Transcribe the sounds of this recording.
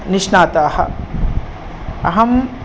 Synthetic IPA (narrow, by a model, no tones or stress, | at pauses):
niʂnaːt̪aːhɐ̰ | ɐɦɐm